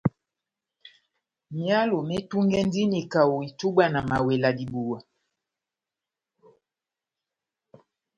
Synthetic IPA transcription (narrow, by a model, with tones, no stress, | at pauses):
mja˦lo˨mɛ˦tu˦ŋɡɛ˦n˦di˦ni˨ka˨wo˨i˨tu˦ɓa˦na˨ma˨we˨la˨di˨bu˨wa˨